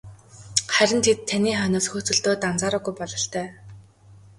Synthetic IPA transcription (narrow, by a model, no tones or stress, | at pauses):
χæɾʲɪ̆nt̪ʰet̪ʰːaniːχœnʊ̆ːsxut͡sɘ̆ɮt̪oːt̪ant͡saːɾʊːɣujpɔɮɞ̆ɬt̪ʰœː